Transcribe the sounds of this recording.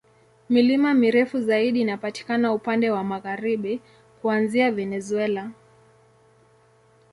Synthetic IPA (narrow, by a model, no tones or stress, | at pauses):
milimamiɾɛfuzaiɗiːnapati̥kanaupandɛwamaɣaɾiɓi | kuanziavɛnɛzuɛla